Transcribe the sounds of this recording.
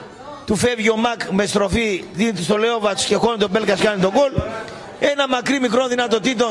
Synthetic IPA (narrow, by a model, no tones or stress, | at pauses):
t̪ufevʝiomɐkmest̪ɾofiðinit̪ist̪oleovɐt̪u̥scexonit̪obelkɐskanit̪oɡol | enɐmɐkɾimikɾonðinɐt̪ot̪it̪̬o